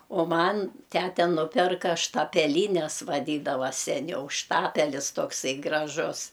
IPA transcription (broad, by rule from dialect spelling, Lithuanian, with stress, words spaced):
oː ˈmɐn ˈtʲætʲɛ ˈnʊpʲɪrkɐ ʃtɐpʲɛˈlʲiːnʲɛs ʋɐˈdʲiːdɐʋɐ sʲɛˈnʲɛʊ ˈʃtɑːpʲɛlʲɪs toːkˈsɐɪ ɡrɐˈʒʊs